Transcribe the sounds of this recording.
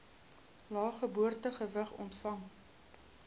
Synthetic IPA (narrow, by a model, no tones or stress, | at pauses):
lɑːχəbuərtəχəvəχɔ̰ntfɐŋ